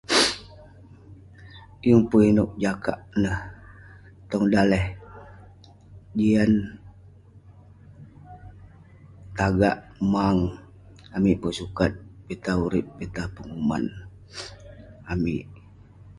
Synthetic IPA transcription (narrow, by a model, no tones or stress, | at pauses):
juŋpəinuʔ̚d͡ʒakaʔnəh | t̪ɔŋdalɛh | d͡ʒian | t̪aɡaʔ | maŋ | amiʔpəsukat̪̚bit̪auɾip̚bit̪apəŋuma̰n | amiʔ